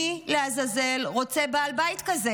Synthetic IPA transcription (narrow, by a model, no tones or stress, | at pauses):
ileazaze̞lʁo̞t͡sebaːlbaitkaze